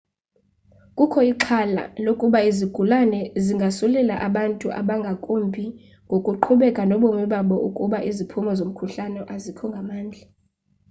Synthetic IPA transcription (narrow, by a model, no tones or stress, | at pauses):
kʼukʰɔiǃʰala̰lokʼuɓaiziɡ̥ʱulanɛziŋɡʱasulɛlaʔaɓantʼuʔa̰ɓaŋɡʱakʼumbʱi | ŋɡʱokʼuǃʰuɓɛkʼanɔɓoŋɛɓaɓɔʔukʼuɓaʔizipʰumɔzom̩kʰuɬanɛʔazikʰɔŋɡʱamaːnd͡ɮʱa